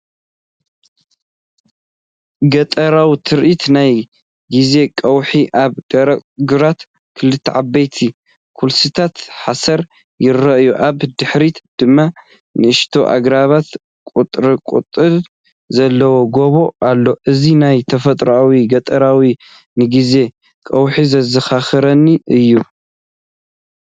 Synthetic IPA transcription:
ɡɐt̪ʼɐɾawit̪ʰɨɾʔit̪naj | ɡize̞kʼɐwħiʔaβɡɐɾɡuɾat̪ | kʰɨlɨt̪ʰːʕabɐjt̪ʰi | kʰulsɨt̪ʰat̪ħasɐɾ | jɪɾɐʔjuʔaβd̪ɨħɾit̪d̪̥ɨmːa | nɨʔɨʃt̪ʰo̞ʔa̰ɡɾaβat̪ | kʼut̪ʼɾɨkʼṵt̪ʼɨɾ | zɐlːɐwo̞ɡo̞βo̞alːo̞ʔɨzinajt̪ʰɐfɐt̪ʼɾoawiɡɐt̪ʼɐɾawi | nɨɡize̞ | kʼɐwħizɐzɐxaxɐɾɐnːiʔɨjːu

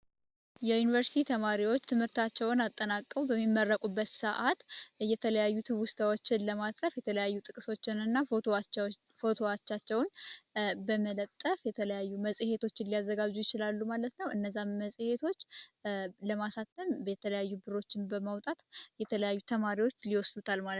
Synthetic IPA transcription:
jɛjunivəɾsi̥t̪ʰit̪ʰəmaɾiwot͡ʃːt̪ʰɨmhɨɾt̪ʰat͡ʃːɛwnat̪ʼːənakʼːəwbəmːimːərːəkʼubːət̪səʔat̪jɛt̪ʰələjajːut̪ʰɨβʊst̪ʰawo̞t͡ʃːɪnləmat̪ʼɾəfjɛt̪ʰələjajːut̪ʼɨkʼɨso̞t͡ʃːɪnɨnːa | fo̞t̪ʰo̞at͡ʃːat͡ʃːɛwn | bəmələt̪ʼːəfjɛt̪ʰələjajːuməsʼihe̞t̪ʰo̞t͡ʃːɪnlijazːəɡad͡ʒujɪt͡ʃɪlalːumalət̪nəwɨnːəzːanməsʼhe̞t̪ʰo̞t͡ʃː | ləmasat̪ʰːəmjɛt̪ʰələjajːubɨɾo̞t͡ʃːɪnbəmawt̪ʼat̪jɛt̪ʰələjajːut̪ʰəmaɾiwo̞t͡ʃːliwɔsdut̪ʰalmal

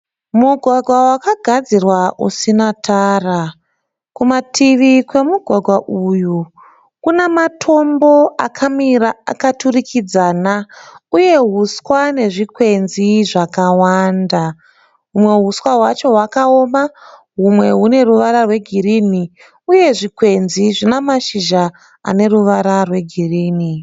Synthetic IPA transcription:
muɡʱwaɡʱwawakaɡʱad͡zirwaʔṵsinataːra | kumatʰiʋikwe̞muɡʱwaɡʱwaʔuju | kunematʰo̞mbo̞ʔa̰kʰamiɾaa̰katurikʰid͡zanauje̞ɦuskwane̞ʐikwe̞nziʐakawaːnda | ɦumwe̞ɦuswaɦwat͡ʃo̞ɦwakao̞maɦumwe̞ɦune̞ruʋaɾarwe̞ɡʱiɾini | uje̞ʐikwe̞nziʐinamaʃiʒa | a̰ne̞ɾuʋaɾarwe̞ɡʱiriːni

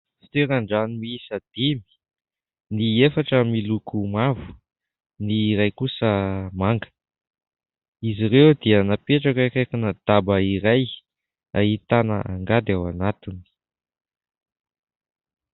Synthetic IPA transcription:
t̪eɾaɳɖ͡ʐanimiisad̪̥imi̥ | niefaʈ͡ʂəmilukumavu̥ | niːɾajkusəmaŋɡə̥ | iziɾewd̪iənapeʈ͡ʂakakakunəd̪̥abəiɾaj | a̰it̪anə̰ʔaŋɡad̪awanat̪ini̥

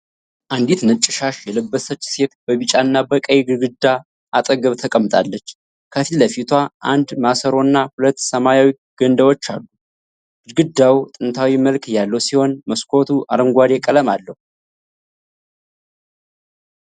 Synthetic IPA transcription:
ʔand̪it̪nɨt͡ʃʼːɪʃaʃjɛləbːəsət͡ʃːse̞t̪bəβɨt͡ʃʼanːabəkʼəjɡɨɾɡɨd̪ːa | ʔat̪ʼəɡəβt̪ʰəkʼəmːɨt̪ʼʰa̰lːət͡ʃː | kʰət̪ʰiləfit̪ʰwaʔa̰nd̪masəɾo̞nːahulət̪ːsəmajawi | ɡ̥ənd̪əwot͡ʃːa̰lːu | ɡ̥ɨɾɡɨd̪ːawut̪ʼɨnt̪ʰawiməlkɨjːalːəwsiho̞nməskʰo̞t̪ʰuʔa̰ɾəŋɡʷad̪ekʼələmalːəhu

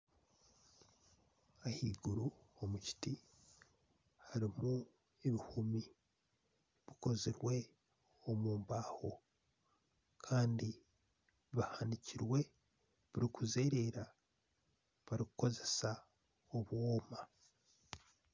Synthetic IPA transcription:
ahiːɡuɾuomuci̥ti | haɾimu | eβihumi | βiko̞ziɾwe̞ | omuːmbaːho̞ | kʰaːndi | βahaniciɾwe̞ | βiɾikuze̞ːɾe̞ɾa | βaɾikuko̞ze̞sa | oβwoːma

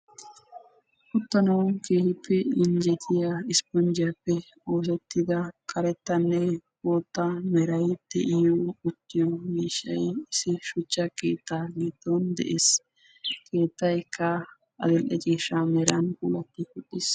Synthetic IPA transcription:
kʊt̪ːɐnɐwkeːhɪpːɛɪnd͡ʒɛt̪ʰɪjaɪspɔnd͡ʒɪjɐpːɛ | o̞ːs̬ɛt̪ːɪd̪ɐkʰʼɐɾɛt̪ːɐnːɛboːt̪ːɐmɛɾɐjd̪̥ɛʔɪjoʊt̪ːɪjomiːʃːɐ̰jɪsɪʃʊt͡ʃːɐkeːt̪ːaliːt̪ːoːnd̪ɛ̰ʔeːs | kʰe̞ːt̪ːɐjkʰːɐ | ɐ̰d̪ɛlʔɛt͡ʃʼeːʃamɛɾɐnkṵːlɐt̪ːɪkʊɗːɪs

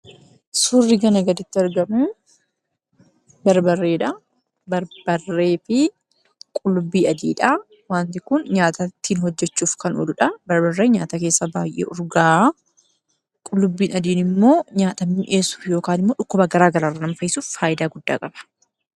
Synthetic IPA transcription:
sʊrːɪɡɐnɐɡɐd̪ɪt̪ːɪɐɾɡɐmuː | bɐɾbɐrːe̞ːᶑɐ | bɐɾbɐrːe̞ːfɪ | kʼʊlːʊbːiːɐd̪iːᶑa | waːnt̪ɪkʊnɲaːt̪ɐt̪ːiːnhɔd͡ʒːɛt͡ʃːuːfkɐnɔ̰lʊᶑɐbɐɾbɐrːeːɲaːt̪ɐke̞ːsːɐba̰ːjʔḛːʔʊɾɡaː | kʼʊlːʊbːiːnɐd̪iːnɪmːo̞ːɲaːt̪ɐmːɪːnʔe̞ːsu̥ːfjo̞ːkaːnɪmːoːᶑʊkːʊbɐɡɐɾaːɡɐɾaːrːɐnɐmfɐjɪsuːffaːʔɪd̪aːɡʊd̪ːa̰ːkʼɐb̥ɐ̥

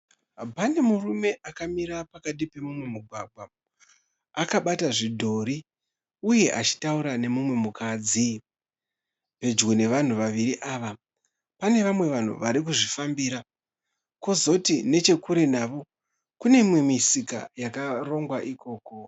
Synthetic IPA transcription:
bane̞murume̞ʔakamiɾapakaɗipe̞mumwe̞muɡʱwa̰ɡʱwa | akaɓataʐidʱo̞ɾi | uje̞ʔat͡ʃi̥tauɾane̞mumwe̞mukad͡zi | pe̞d͡ʒɡone̞ʋan̤uʋaʋiɾiʔaːʋa | pane̞ʋamwe̞ʋan̤ṵʋaɾik̬uʐifambiːɾa | ko̞zo̞tine̞t͡ʃe̞kuɾe̞naːʋo̞ | kune̞imwe̞misika̰jakaro̞ŋɡwaʔiko̞ːko̞

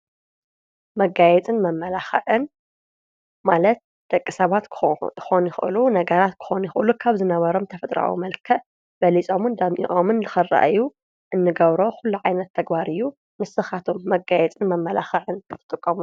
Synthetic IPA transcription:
mɐɡajɛt͡sʼɨnmɐmːɐlaxɐʕɨn | malɐt̪̚ | d̪̥ɐkʼːɨsɐβat̪xonjɪxʔɨ̰lunɐɡɐɾat̪̚kʰɨ̥xo̞njɪxʔɨlukʰaβzɨnɐβɐɾo̞mt̪ʰɐfɐt̪ʼɾa̰wṵmɐlkʰɐʔ | b̥ɐlit͡sʼo̞mɨnd̪ɐmʔḭʔʼomɨnzɨxɨra̰ʔɨjːu | ʔɨnːɨɡɐβɾo̞xulːuʕajnɐt̪ʰːɐɡbaɾɨjːu | mɨsɨxat̪ʰo̞mːɐɡajɛt͡sʼɨnmɐmːɐla̰xɐʕɨnzʰɨt̪ʰɨ̥t̪ʼːɨkʼːɐmu

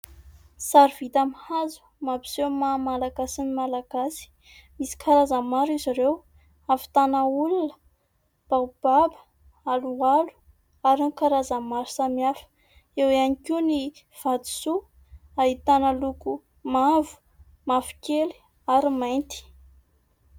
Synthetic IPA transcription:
saɾv̥it̪amihazu̥ | mabi̥zewmamalaɡasinimalaɡasi̥ | misi̥kʰaɾazəmaɾiziɾew | avi̥t̪anaulunə̥ | b̥awb̥abə̥ | alualu̥ | aɾinikaɾazəmaɾi̥samiafə̥ | ewanikini | v̥ad̪i̥su | aɦit̪anəluku | mavu̥ | mafi̥keli̥ | aɾimajnt̪i̥

